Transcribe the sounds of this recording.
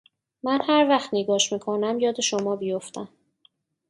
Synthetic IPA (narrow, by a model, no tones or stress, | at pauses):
mænhæɾvæxt̪niɡɒːʃmiːkʰonæmjɒːd̪e̞ʃomɒːbijoft̪ʰæm